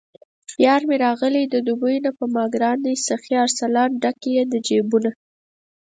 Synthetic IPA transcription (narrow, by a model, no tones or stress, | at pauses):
pjɑɾmeɾɑɣəlid̪əd̪ubəjnapəmɑɡɾɑnisaxiaɾsalɑnɖakejed̪əd͡ʒebuna